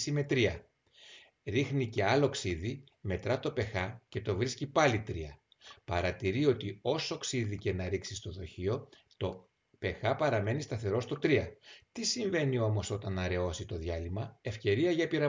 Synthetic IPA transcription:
sime̞t̪ɾiɐ | ɾixnice̞ɐlo̞ksiði | me̞t̪ɾɐt̪o̞pe̞xɐce̞t̪o̞vɾiscipɐlit̪ɾiɐ | pɐɾɐt̪iɾio̞t̪io̞so̞ksiðice̞nɐɾiksist̪o̞ðo̞çio̞ | t̪o̞ | pe̞xɐpɐɾɐme̞nist̪ɐθe̞ɾo̞st̪o̞t̪ɾiɐt̪isiɱve̞nio̞mo̞so̞t̪ɐnɐɾe̞o̞sit̪o̞ðjɐlimɐe̞fce̞ɾiɐʝɐpiɾɐ

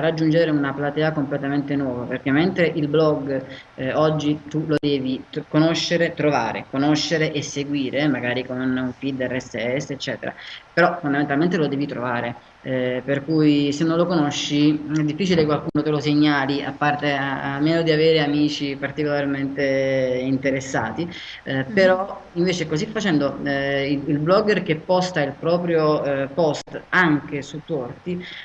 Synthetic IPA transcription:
arːad͡ʒːund͡ʒeɾeunaplat̪ɛːakomplet̪ament̪enwɔːvaperk̟emːent̪ɾeʔilblɔɡ | ɔd͡ʒːit̪ulod̪ɛːvikonoʃːeɾet̪ɾova̰ːɾḛkonoʃːeɾeʔesːeɡwiːɾemaɡaːɾikonuɱfid̪ɛɾɛseɛsːet͡ʃːɛ̰ːt̪ḛɾa̰peɾɔfond̪ament̪alment̪elod̪ɛːvit̪ɾo̰vaːɾe | perkujsenːõnlokonoʃːiɛd̪ːifːiːt͡ʃilekwalkuːnot̪eloseɲːaːliʔa̰pːart̪eaamːeːnod̪iaveːɾeamiːt͡ʃipart̪ikolarment̪eint̪eɾesːa̰ːt̪i | peɾɔiɱveːt͡ʃekozifːat͡ʃɛnd̪oiilblɔɡerk̟epːɔst̪ailpɾɔːpɾjopɔst̪aŋk̟esut̪ːɔrt̪i

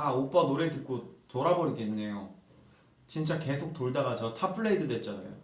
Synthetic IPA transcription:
aop͈anoɾetɯk̚k͈otoɾaboɾiɡenːe̞jo | t͡ɕint͡ɕ͈ake̞sʰok̚t͈oɭdaɡad͡ʑʌtʰapʰɯɭːeidɯdwe̞t̚t͡ɕ͈ana̰jo̰

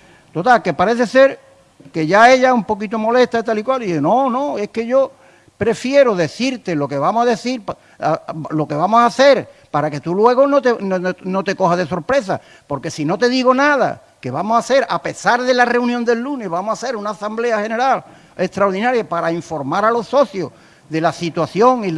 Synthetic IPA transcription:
t̪o̞t̪alke̞paɾe̞θe̞se̞ɾ | ke̞ʝae̞ʝaumpo̞k̬it̪omo̞le̞ht̪ait̪alikwald̪ihenõnõe̞hke̞ʝo̞ | pɾe̞fje̞ɾoðe̞θiɾt̪e̞lo̞ke̞βamohaðe̞θiɾp | alo̞ke̞βamosaθe̞ɾpaɾake̞t̪ulwe̞ɣonot̪enonot̪e̞ko̞ɦaðe̞so̞ɾpɾe̞s̬a | po̞ɾke̞sino̞t̪e̞ðiɣo̞naða̰ | ke̞βamosaθe̞ɾape̞saɾðe̞lare̞unjond̪e̞lːune̞βamohase̞ɾunaːsamble̞ahe̞ne̞ɾal | e̞ht̪ɾaoɾðinaɾjapaɾaiɱfo̞ɾmaɾalo̞so̞θjo | ðe̞lasit̪waθjo̞ŋi

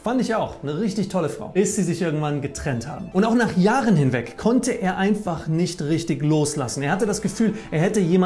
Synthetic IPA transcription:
fandɪçaʊxnəʁɪçtɪçtʰɔləfʁ̥a̰ʊb̥ɪsz̥iːzɪçʔɪɐɡŋ̩tv̥anɡətʁ̥ɛntha̰ːbm̩ʔʊntaʊxnaːχjaːʁənhɪnvɛkʰːɔntəʔeːɐʔaɪnfaχnɪçtʁɪçtɪçloːslasn̩eːɐhatədasɡ̥əfyːlʔeːɐhɛtəjeːma

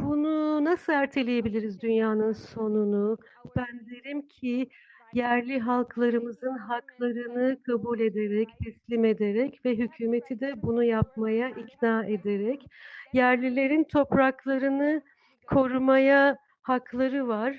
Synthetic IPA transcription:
bununasɯlæɾt̪ʰe̞lʲeje̞bilʲiɾizd̪ynjaːnɯnso̞nunub̥ænd̪eɾimcʰi | jæɾlʲiɦalˠkʰlˠaɾɯmɯzɯnɦaklˠaɾɯnɯkʰabulʲe̞d̪eɾɛct̪ʰɛslʲime̞d̪e̞ɾɛcvɛɦycʰyːme̞t̪ʰid̪ɛbunujap̚majaʔicnaːe̞d̪eɾɛcjæɾlʲilʲe̞ɾint̪ʰo̞pɾaklˠaɾɯnɯ | kʰo̞ɾumaja | haklˠaɾɯvaɾ̥

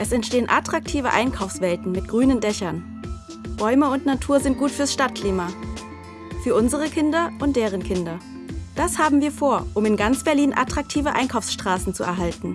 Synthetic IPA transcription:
ʔɛsɛntʃteːənʔatʁ̥ak̚tʰiːvə̰ʔa̰ɪnkʰaʊfsv̥ɛltn̩mɪt̚ɡ̥ʁyːnəndɛçɐn | b̥ɔʏməʊntnatʰuːɐzɪnt̚ɡ̥uːtfyːɐsʃtat̚kʰl̥iːma | fyːɐʔʊnzəʁəkʰɪndɐʔʊntd̥eːʁ̞ənkʰɪndɐ | d̥ashaːbm̩viːɐfoːɐʔʊmɪnɡant͡sb̥ɛɐliːnʔa̰tʁ̥ak̚tʰiːvəʔa̰ɪnkʰaʊfsʃtʁ̥aːsn̩t͡suɛ̰ɐɦaltn̩

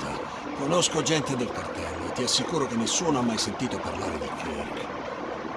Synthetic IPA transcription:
t̪ʰa̰ | konoskod͡ʒɛnt̪ed̪elkart̪ɛ̰lːo̰ḛt̪ːiasːikuːɾok̟enːesːuːnoamːajsent̪iːt̪opa̰rla̰ːɾed̪ikɾḛlḛ

